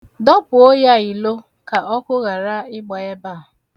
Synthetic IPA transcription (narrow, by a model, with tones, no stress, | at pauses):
dɔ˦pʊ˨o˦ja˦i˨lo˦ | ka˨ʔɔ˦kʷʊ˦ɣa˨ɾa˦ɪ˦ɡ͡ba˨e˦ba˦˨ʊ˨